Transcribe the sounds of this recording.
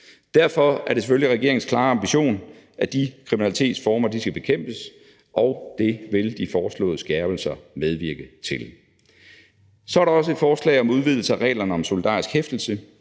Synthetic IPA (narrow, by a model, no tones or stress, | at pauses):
d̥æɐfɒ̽æɐɾe̝seføliʁɛɡ̥e̝ɐeŋn̩skʰlɑ̈ːɑ̈mb̥iɕo̝̰ːn | ʔæd̥ikʰʁiminælit͡sʰe̝̰ːd̥sfɒːmɐd̥isɡ̥æb̥e̝kʰem̰b̥əs | ʔɒʊd̥e̝ʋe̝ld̥ifɒːslɔ̰̽ːðˠəsɡ̥ɛɐb̥l̩sɐmeð̞ˠʋiɐɡ̥ət͡sʰe̝l | sɒæɐɾɑ̈ɒ̽s̬əe̝d̥fɒːslɛ̰ɪɒ̽muð̞ˠʋið̞ˠl̩səæʁɛ̰ːlɐnəɒ̽mso̝lid̥ɑ̰̈ːisɡ̥hefd̥l̩sə